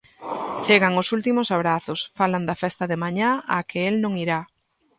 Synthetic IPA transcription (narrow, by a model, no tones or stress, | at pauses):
t͡ʃeɣaŋʊsult̪imosaβ̞ɾaθʊsfaland̪afɛst̪aðemaɲaakeelnõŋiɾa